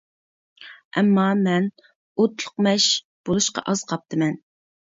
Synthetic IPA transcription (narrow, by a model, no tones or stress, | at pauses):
ʔɛmːɑmɛn | ot̪lˠʊqmɛʃ | b̥olˠuʃqɑ̰ʔɑz̥qʰɑp̚t̪ʰɨmɛn